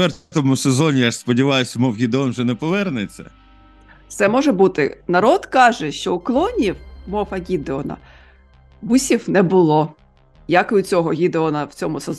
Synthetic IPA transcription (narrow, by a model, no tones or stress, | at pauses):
ɛɾt̪ɔmusezɔnʲijaspɔdʲiʋɑjʊsʲɐmɔwɣʲid̪eɔnʒɛnɛpɔʋɛrnet͡sʲːɐ̰ | t̪sɛmɔʒɛbut̪ɪ̰nɐɾɔd̪kɑʒɛʃt͡ʃɔʊklˠɔnʲiwmɔwɐɣʲid̪eɔnɐ̰ | busʲiwnɛbʊlˠɔ | jakʊt͡sʲɔɦɔɣʲid̪eɔnɐwt͡sʲɔmʊsez